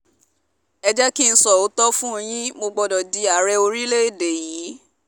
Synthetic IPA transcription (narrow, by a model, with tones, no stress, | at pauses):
ɛ˧d͡ʒɛ˦ki˦ñ̩˧sɔ˨o˨˦tɔ˦fũ˦˧j̃ĩ˦mo˧ɡ͡bɔ˧dɔ˨di˨˦a˨˦ɾɛ˧o˧ɾi˦le˦e˦˨de˨jĩ˨˦